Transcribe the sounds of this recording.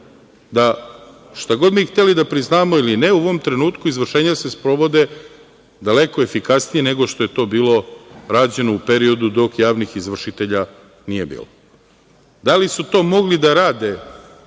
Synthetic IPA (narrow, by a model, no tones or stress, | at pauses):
d̪a | ʃt̪aɡo̞d̪mixt̪e̞lid̪apɾiznaːmo̞iline̞uoʋo̞mt̪ɾe̞nuːt̪kuizʋr̩ʃe̞ːɲase̞spɾo̞ʋo̞d̪e̞ | d̪ale̞ko̞efikasnijene̞ɡo̞ʃt̪o̞jet̪o̞ːbiːlˠo̞ɾaːd͡ʑe̞noupe̞ɾio̞d̪ud̪o̞kjaːʋnixizʋr̩ʃit̪e̞ʎa | nije̞bḭːlo | d̪alisut̪o̞ːmo̞ɡlid̪aɾaːd̪e̞